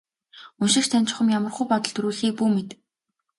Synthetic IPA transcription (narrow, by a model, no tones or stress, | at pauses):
unʃɪ̆kxt͡ɕt̪ʰænʲt͡ɕɪ̆χə̆mjamə̆rχujpɔt̪ɞ̆ɮt̪ʰɵɾuːɮxiːk̚puːmet̪